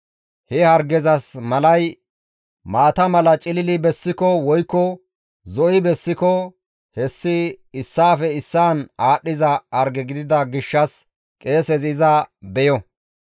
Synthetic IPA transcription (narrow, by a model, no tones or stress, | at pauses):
hɛhɐɾɡɛzɐsmɐlɐj | maːt̪ɐmɐlɐt͡ʃʼɪlɪlɪbɛsːɪkɔwɔjkːɔ | zɔʔɪbɛsːɪkɔ | hɛsːɪɪsːaːfɛɪsːaːnaːɗːɪzɐɐɾɡɛɡɪd̪ɪd̪ɐɡɪʃːɐs | kʼe̞ːsɛzɪzɐbɛjɔ